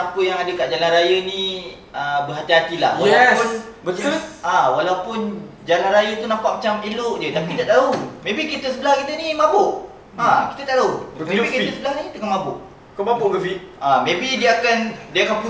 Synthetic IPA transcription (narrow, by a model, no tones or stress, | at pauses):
apəjaŋadəkaʔd͡ʒalanrajənĩ | əbəɦat̪iɦat̪ilahwalaapʊn | bəawalawpʊn | d͡ʒalanɾajət̪unapaʔ̚mat͡ʃamilʊʔd͡ʒət̪apid̪aʔt̪aumẽbikit̪əsəbəlahkit̪ənimãbʊʔ | ãkit̪ət̪aʔt̪aumẽbikit̪əsəbəlahnikt̪akanmãbʊʔ | kəmabʊɡəfiamẽbidiəakandiakanpu